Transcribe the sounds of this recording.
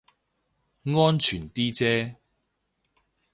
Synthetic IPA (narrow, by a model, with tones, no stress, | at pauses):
ŋɔː˥nt͡ʃʰyː˨˩nt̪iː˥t͡sɛː˥